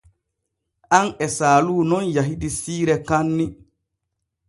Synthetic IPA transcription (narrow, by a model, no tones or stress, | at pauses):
ʔanɛsaːluːnɔnjaɦidisiːɾɛkanːi